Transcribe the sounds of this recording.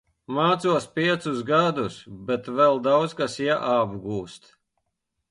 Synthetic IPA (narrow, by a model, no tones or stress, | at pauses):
maːt̪suɔspʲiɛt̪susɡad̪usbɛt̪vɛlˠd̪awd̪skasjaʔabɡuːst̪